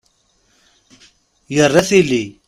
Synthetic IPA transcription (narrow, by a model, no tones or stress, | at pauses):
jɐɾɐsili